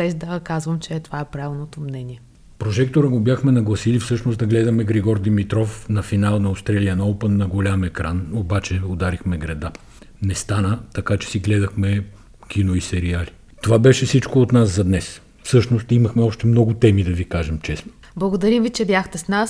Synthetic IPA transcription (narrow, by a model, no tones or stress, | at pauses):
bɛzd̪ɐkazvəmt͡ʃɛt̪ovaɛpɾavʲilˠnot̪omnɛniɛ | pɾoʒɛkt̪oɾəɡobjaxmɛnɐɡlˠɐsilifsɤʃnosd̪ɐɡlɛd̪ɐmɛɡɾɛɡɔɾd̪imit̪ɾɔfnɐfinalˠnɐost̪ɾɛliənɐɔlpənːɐɡolʲamɛkɾanobat͡ʃɛod̪aɾixmɛɡɾɛd̪a | nɛst̪anət̪ɐkat͡ʃɛ̥siɡlɛd̪ɐxmɛ | kʲinoisɛɾiali | t̪ovabɛʃɛfsit͡ʃkoːt̪naszɐd̪nɛs | fsɤʃnost̪imɐxmɛɔʃt̪ɛmnɔɡʊt̪ɛmid̪ɐvikaʒɛmt͡ʃɛsno̥ | blˠɐɡod̪ɐɾimvit͡ʃɛbjaxt̪ɛsnas